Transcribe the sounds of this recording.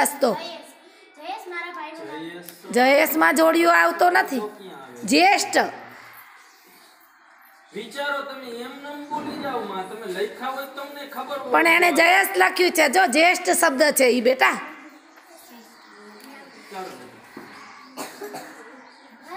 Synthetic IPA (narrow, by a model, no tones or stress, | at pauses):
st̪o | d͡ʒəjesmãd͡ʒoɽijoaʋt̪onət̪ʰid͡ʒesʈ | ʋit͡ʃaɾot̪əmeemnəmkolid͡ʒaʋmãt̪əmẽləikʰaʋot̪əmnekʰəbəɾpəɳened͡ʒəjest̪lakʰjũt͡ʃʰed͡ʒod͡ʒeʃʈsəb̚d̪ət͡ʃʰeibeʈa